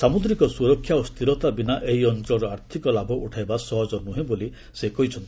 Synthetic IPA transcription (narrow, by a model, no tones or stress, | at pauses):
samud̪ɾikɔsuɾɔkʰːjaost̪ʰiɾɔt̪abinaʔeɦiɔnt͡ʃɾɔɾɔaɾt̪ʰikɔlabʱɔʔuʈʰajbasɔɦɔd͡ʒɔnuɦẽboli | sekɔɦit͡ʃʰɔnt̪i̥